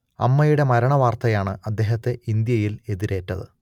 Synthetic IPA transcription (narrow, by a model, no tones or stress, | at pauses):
ɐ̰mːɐjuɽe̞mɐɾɐɳɐʋaːrt̪ɐjaːɳɨʔɐd̪ːe̞ːɦɐt̪ːe̞ʔind̪jɐjile̞ðiɾe̞ːtːɐðɨ̰